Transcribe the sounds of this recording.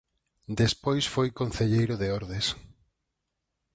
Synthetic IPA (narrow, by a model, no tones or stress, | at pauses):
d̪espojsfojkon̟θeʎejɾʊðeoɾðes